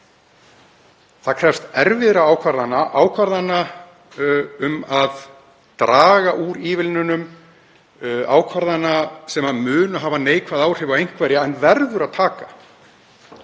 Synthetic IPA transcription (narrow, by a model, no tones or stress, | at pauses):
θaðkʰɾ̥ɛfst̪ɛɾvɪðɾaaːwkʰvaɾðanaʔaːwkʰvaɾðanːa | ʏmað | t̪ɾaːɣaʔuːɾiːvɪlnʏnʏm | a̰ːwkʰvaɾðanasɛmaðmʏːnʏɦaːvaneːjkʰvaðaːwr̥ɪvawejŋ̥kvɛɾjaɛnvɛɾðʏɾaðt̪ʰaːka